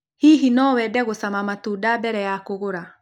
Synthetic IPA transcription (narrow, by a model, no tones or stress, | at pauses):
hiɦinɔwɛdɛɣosamamatuːdabɛɾɛjakoɣoɾa